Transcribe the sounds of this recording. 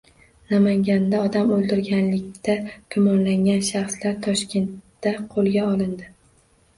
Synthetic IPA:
namaŋɡʲand̪aɒd̪amolˠd̪ɪɾɡʲanlɪk̚ʲt̪aɡ̥ʊmɒnlaŋʲanʃaχslaɾt̪ʰɒʃkʲʰe̞nt̪ːaqʰolˠɡʲaɒlˠɪnd̪ɪ

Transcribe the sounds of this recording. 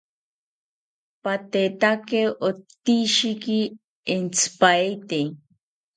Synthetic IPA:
pat̪et̪akeʔot̪ːiʃikiː | nt͡sʰɨ̥paet̪e

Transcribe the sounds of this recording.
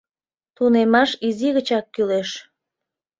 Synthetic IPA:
t̪unemɑʃiziɣət͡ɕɑkːyleʃ

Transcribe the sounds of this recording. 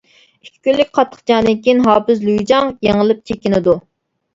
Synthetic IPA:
ikʲʰːi̥kʲylːykʲqʰɑt̪ʰːə̥χd͡ʒɑŋd̪ɨnkʲijinɦɑːpɨzlujid͡ʒɑŋjeŋəlˠɨp̚t͡ʃʰekʲinɪd̪u

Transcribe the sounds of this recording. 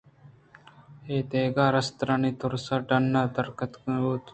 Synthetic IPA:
eːt̪eːɡaːɾɐst̪ɾaniːt̪ʊɾsaɖɐnːaːt̪ɐɾkət̪kːuːt̪

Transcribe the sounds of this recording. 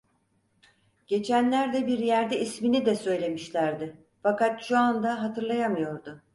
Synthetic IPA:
ɟ̥e̞t͡ʃʰænlʲæɾd̪ɛbiɾjæɾd̪ɛisminid̪ɛsø̞jlʲe̞miʃlʲæɾd̪ɪ | fakat̪ʃuand̪aɦat̪ʰɯɾlˠajamɯjo̞ɾd̪ʊ

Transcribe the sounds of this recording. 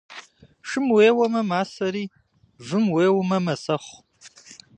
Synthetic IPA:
ʂɨmweːwɐmɐmaːsɐɾiː | vɨmweːwmɐmɐsɐχʷ

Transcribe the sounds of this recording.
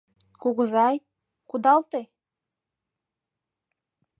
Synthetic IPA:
kuɣəzɑj | kud̪ɑlt̪e

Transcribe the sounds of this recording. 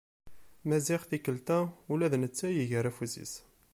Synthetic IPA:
mæziʁθikəlt̪æulæðnət͡sːæjiʝəɾæfuzḭs

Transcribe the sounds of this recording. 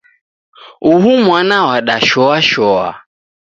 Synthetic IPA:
uɦumwanawaɗaʃɔaʃɔa̰

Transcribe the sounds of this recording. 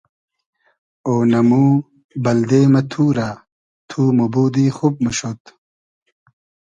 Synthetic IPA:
oːnɐmuː | bɐld̪eːmɐt̪ʰuːɾaː | t̪ʰuːmubuːd̪iːxub̚mɐɕot̪

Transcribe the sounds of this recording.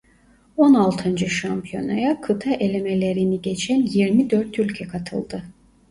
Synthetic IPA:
o̞nalˠt̪ʰɯnd͡ʒɯʃampʰijo̞̰najakʰɯt̪ʰaʔelʲemelʲeɾiniɟet͡ʃʰænjiɾmid̪øɾt̪ʰylʲcʰɛkʰat̪ʰɯ̰lˠd̪ɯ

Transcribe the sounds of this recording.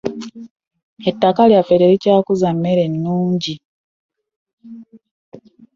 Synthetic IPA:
e̞tːakaljafeɾeɾicaːkuzamːe̞ɾe̞nːuːɲɟi

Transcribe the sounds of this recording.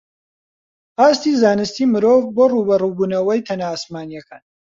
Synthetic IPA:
aːst̪iːzaːnɨst̪iːmɨɾoːvboːruːbɐrubuːnɐwɐjt̪ʰɐnaːsmaːnijɛkaːn

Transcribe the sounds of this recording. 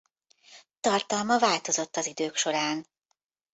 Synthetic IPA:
t̪ɒrt̪ɒlmɒvaːlt̪o̞zo̞t̪ːɒzid̪øːkʃo̞ɾaːn

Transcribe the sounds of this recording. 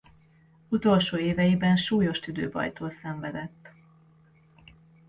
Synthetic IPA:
ut̪o̞lʃoːeːvɛjibɛnʃuːjo̞ʃt̪yd̪ø̰ːbɒ̰jt̪oːlsɛɱvɛd̪ɛt̪ː

